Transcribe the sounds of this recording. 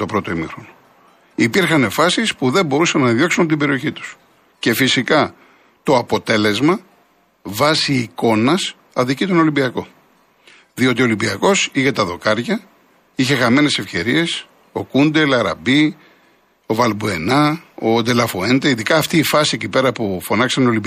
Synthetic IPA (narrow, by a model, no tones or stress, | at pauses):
t̪o̞pɾo̞t̪oimixɾo̞no | ipiɾxɐne̞fɐsispuðe̞mbo̞ɾusɐnːɐðjo̞ksunɐp̬ot̪ibe̞ɾio̞çit̪u̥s | ce̞fisikɐ | t̪o̞ɐpo̞t̪e̞le̞zmɐ | vɐsiːko̞nɐs | ɐðicit̪o̞no̞limbiɐko̞ | ðio̞t̪iolimbiɐko̞siʝet̪ɐðo̞kɐɾʝɐ | içe̞xɐme̞ne̞se̞fce̞ɾie̞s | o̞kund̪e̞lɐɾɐ̰bi | o̞vɐlbue̞nɐod̪e̞lɐfoend̪eiðikɐːft̪iːfɐsiecipe̞ɾɐpufo̞nɐksɐneolimb